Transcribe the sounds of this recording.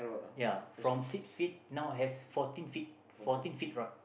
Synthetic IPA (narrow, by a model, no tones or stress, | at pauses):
jafɹɔ̃msiksfit̚nawɦɛsfɔtĩnfit̚ | fɔtĩnfit̚ɹat̚